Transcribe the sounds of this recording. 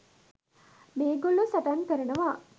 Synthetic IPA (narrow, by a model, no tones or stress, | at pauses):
meːɡolːusɐʈaŋkəɾɐnəʋaː